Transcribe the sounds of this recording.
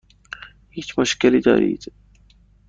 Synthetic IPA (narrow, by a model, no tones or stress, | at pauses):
hiːt͡ʃmʊʃkɪlid̪ɔ̰ːɾḭːd̪